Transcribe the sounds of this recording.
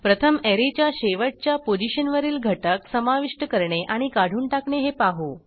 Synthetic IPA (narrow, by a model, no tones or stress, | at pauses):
pɾət̪ʰəmeɾet͡ɕjaɕeʋəʈ̚t͡ɕjapod͡ʑiɕənʋəɾiːlɡʱəʈəksəmaʋiʂʈəkəɾɳeʔaɽ̃ikaɽ̤ʱuːɳʈakɳeɦepaɦo